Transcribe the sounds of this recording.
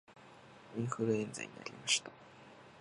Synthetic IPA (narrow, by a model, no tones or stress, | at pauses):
iŋxɯɾɯend͡za̰jɲʲina̰ɾʲimaɕi̥t̪ḁ